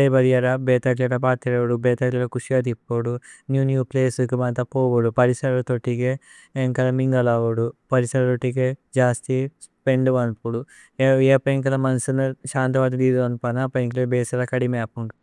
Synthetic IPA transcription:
ɐjbɐɾijɐɾabeːt̪ɐʈɐʈɐpaːt̪iɾɐʋɐɽubɛːt̪ɐʈɐlɐkuʂjat̪̬ipːoɽunjuːnjuːpleːsukumɐnt̪ɐpoːʋuɽupɐɾisɐɾɐlɐt̪oʈːikeː | ŋkɐlɐmiŋɡɐlaːʋuɽupɐɾisɐɾɐt̪oʈːiked͡ʒaːst̪i | peɳɖuʋɐnpuɽu | eːpeŋk̬ɐlɐmɐnsunɐʃaːnt̪ɐʋɐːd̪ɐd̪iːd̪uʋɐnpɐnɐpeŋklebeːsɐɾɐkɐɽimaːpuɳ

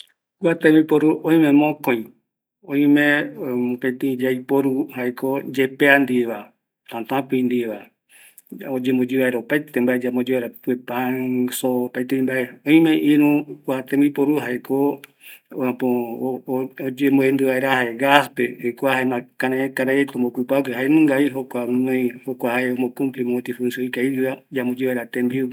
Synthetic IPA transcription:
kwat̪embipoɾuʔõĩmẽmõkõj̃ | õĩmẽopẽt̪ĩd͡ʒajpoɾuhaekod͡ʒepeand̪iβa | t̪ãt̪ãpĩĩnd̪iβa | od͡ʒembod͡ʒiβaeɾaopajt̪embaed͡ʒamod͡ʒiβaeɾapuepãsopajt̪ẽĩmbaeõĩmẽʔiɾũkʷat̪ẽmbipoɾuɦaeko | ãpo | od͡ʒemboend̪ɨβaeɾahaeɡaspeojkʷahaemãkãnẽkaɾaet̪ombokupakeɦaenũŋɡaiɦokʷãnõĩhokʷahaeombokũmplimõt̪ifunsoikaiiβad͡ʒambod͡ʒiβaeɾat̪ẽmbiu

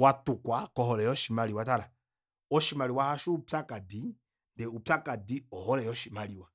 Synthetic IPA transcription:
watukwakɔhɔlɛjɔʃimaliwataɾa | ɔʃimaliwahaʃupakadi | ndɛupakadiɔhɔɾɛjɔʃimaliwa

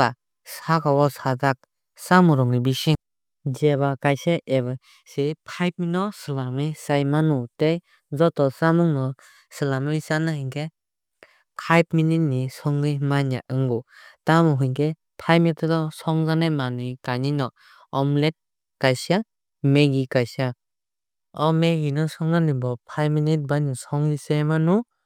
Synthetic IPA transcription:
a | sakʰawɔsadak̚ | samuɾɔŋɾibisiŋ | d͡ʒeβakajseʔebɯ | sipʰajp̚minɔsɯlamisajmanutej | zɔtɔsamuŋnɔ | sɯlamisanahɯŋkʰe | pʰajp̚minit̚nisɔŋlɯjmanija̰ʔɯŋɡɔtamɔɦɯjŋke | pʰajpmitɾɔsɔŋzanajmanujkaninɔ | ɔmlet̚ | kajsa | meɡikasa | ɔmeɡinɔsɔŋzanibɔpʰajpminit̚banisɔŋlisejmanu

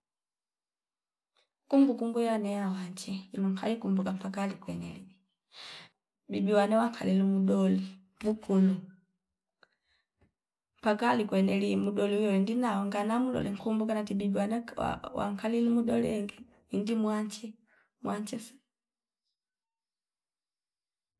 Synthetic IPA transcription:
kumbukumɡujlanɛjawaɲt͡ʃɛimuŋkalikumbukampakalikwɛnɛ̰lii | bibiwanɛwaŋkʰa̰lilumudɔli | bukunu | mpakalikwɛnɛlimuɗɔliwɛwɛndinaɔŋɡanamulɔ̰lɛ̰ŋkumbukanatibibiwanɛa̰wa̰ŋkʰalilumuɗɔlɛ̰ŋɡɛ | indimwaɲt͡ʃɛ | mwaɲt͡ʃɛsḁ

